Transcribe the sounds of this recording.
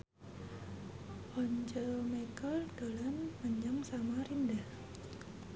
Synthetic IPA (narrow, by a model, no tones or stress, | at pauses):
ʔɔɲt͡ʃəmakəldalanməɲaŋsamaɾindah